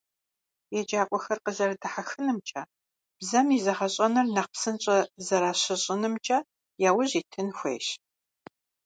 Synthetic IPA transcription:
jɛd͡ʒaːkʷʼɔxɐrqəzɐrɐdɨħaxɨnɨmt͡ʃʼɐ | b̥zɐmizɐʁɐɕʼɐnɐrnɐq̚psɨnɕʼɐzɐɾaːɕɪɕʼɪnɨmt͡ʃʼɐ | jaːwʊʑiːtʰɨnxʷḛːʃ

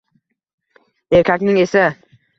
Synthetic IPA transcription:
eɾkʲʰakʲnɪŋesa

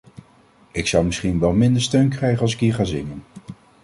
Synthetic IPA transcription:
ɪksɑwmɪsχinʋɛlˠmɪndəɹstøɥnkrɛjχənɑlˠs̬ɪkɦiːɹχaːzɪŋən

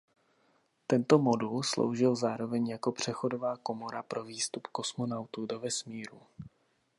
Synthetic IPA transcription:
t̪ɛnt̪o̞mo̞dulslo̰wʒɪlzaːɾo̞vɛɲjako̞pr̝̥ɛxo̞do̞vaːko̞mo̞ɾapɾo̞viːst̪upko̞smo̞nawt̪udo̞vɛsmiːɾu

